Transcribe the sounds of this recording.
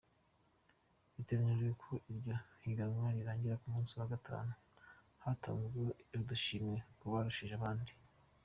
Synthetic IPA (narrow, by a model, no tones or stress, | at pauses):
βite̞ɡaɲeʒejekʰo̞ʔiɾɟohiɡamŋaɾiɾaːɲɟiɾakumuːnsiwaɡatʰa̰ːnu | hata̰ːnɡoudaʃiːmɲe̞kuβaɾuʃiʒaβaːndi